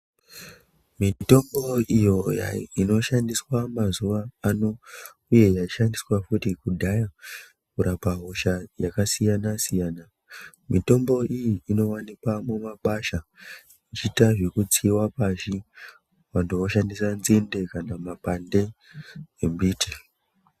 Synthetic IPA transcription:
mito̞mbo̞ijo̞jaino̞ʃandiswamazuʋaːno̞ | uje̞jaiʃandiswafutikudʱaja | kuɾapaɦo̞ʃajakasijanasijaːna | mito̞mbo̞ijiːno̞wanikamumaɓaʃa | it͡ʃitaʐekut͡siwapaʃi | wantoʋoʃandisanzinde̞kanamapande̞ | embiːtʰe

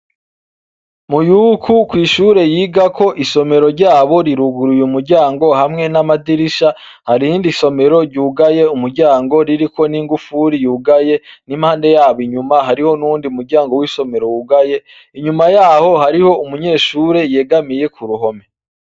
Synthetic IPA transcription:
mujukʰukwiːʃuɾe̞jiːɡakʰo̞ʔiso̞me̞ɾo̞ɾɟaːβo̞ɾiɾuɡuɾujumuɾɟaːŋɡo̞hamŋe̞namadiɾiʃa | haɾihiːndiso̞me̞ɾo̞ɾɟuːɡaje̞umuɾɟaːŋɡo̞ɾiɾiko̞niːŋɡufuɾijuːɡaje̞nimhaːnde̞jaːβiɲumaɦaɾiho̞nuːndiumuɾɟaːŋɡo̞wiːso̞me̞ɾo̞juɡaje̞ | iɲumajaːho̞haɾiho̞umuɲe̞ːʃuːɾe̞je̞ːɡamije̞kʰuɾuɦo̞me̞

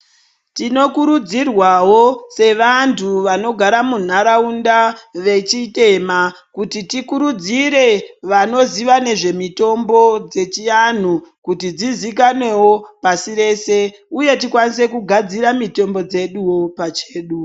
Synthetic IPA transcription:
tino̞kuɾud͡zirwawo̞se̞ʋantʰuʋano̞ɡʱaɾamun̤aɾaundaʋe̞t͡ʃite̞ma | kutitikuɾud͡ziɾe̞ʋano̞ziʋane̞ʐe̞mito̞mbo̞d͡ze̞t͡ʃijan̤ukutid͡zizikanwe̞wo̞pasiɾe̞ːse̞ | uje̞tikwanise̞kuɡʱad͡ziɾamito̞mbo̞d͡ze̞ɗuwo̞pat͡ʃeːɗu

